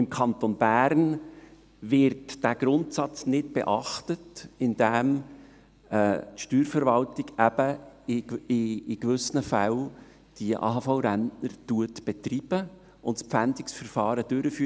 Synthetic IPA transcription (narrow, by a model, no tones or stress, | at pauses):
ɪmkʰɑnt̪onb̥æːɾn | vɪɾtd̥æːɡ̥ɾʊntsɑt͡snɪtb̥ɛ̰ʔɑχtətɪnd̥æm | ɛːtʃtyːɾfəɾvɑltɪɡæbə | ɪːɡvʏsənəfæl | d̥iʔɑ̰ːhɑfaʊɾæntnəɾtuətb̥ɛtriːb̥ə | ʊntspfændɪksfəɾfɑːɾəd̥ʏɾəfyː